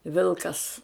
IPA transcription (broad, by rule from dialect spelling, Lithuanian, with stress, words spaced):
ˈʋʲɪlˠkɐs